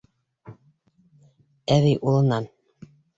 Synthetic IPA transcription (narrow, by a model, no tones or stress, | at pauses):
æðɘjʔulˠɤ̆nɑn